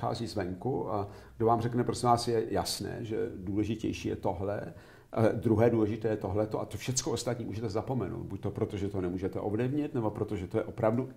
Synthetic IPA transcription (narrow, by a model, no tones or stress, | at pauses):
xa̰ːziːzvɛŋkuaɡdovaːmrɛknɛpɾosɛvaːsjɛjasnɛ̰ːʒɛ̰duːlɛʒɪcɛ̰jʃiːjɛ̰t̪oɦlɛ̰ | d̪ɾuɦɛːduːlɛʒɪt̪ɛːjɛt̪o̞ɦlɛt̪oʔat̪ofʃɛt͡skoost̪at̪ɲiːmuːʒɛt̪ɛzapo̞mɛno̰wd̪̚buc̚ʲt̪o̞pɾot̪oʒɛt̪onɛmuːʒɛt̪ɛʔovlɪvɲɛt̪nɛbo̞pɾo̞t̪oʒɛt̪ojɛʔo̞pɾavdu